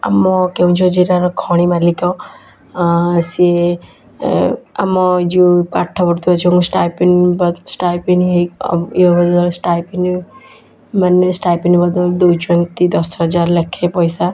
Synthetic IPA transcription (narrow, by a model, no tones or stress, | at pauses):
a̰mɔkeɦũt͡ʃʰɔd͡ʒiɾaɾɔkʰɔɽ̃imalikɔ | sie | a̰mɔd͡ʒiũpaʈʰːɔpɔɽt̪ʰiɔt͡ʃʰusʈajpinbɔsʈajpinɦeiɔbɔd̪ɔlsʈajpin | manesʈajpinbɔd̪ɔld̪ujt͡ʃɔnt̪id̪ɔsɦɔd͡ʒaɾlekʰːepɔjsa